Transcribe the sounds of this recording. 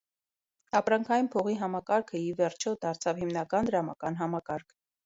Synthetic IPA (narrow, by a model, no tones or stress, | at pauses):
ɑpɾɑŋkʰɑjinpʰɔʁiɦɑmɑkɑɾkʰəivɛɾt͡ʃʰɔd̪ɑɾt͡sʰɑvhimnɑkɑnd̪əɾɑmɑkɑnɦɑmɑkɑɾkʰ